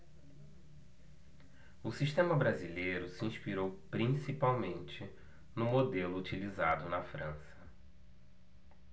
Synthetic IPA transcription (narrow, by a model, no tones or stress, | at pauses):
ʊsiʃt̪ẽmɐbɾazilejɾʊsiĩʃpiɾowpɾĩsipawmẽnt͡ʃɪ | nʊmod̪elʊːt͡ʃiliza̰d̪ʊnɐfɾɐ̃sɐ̥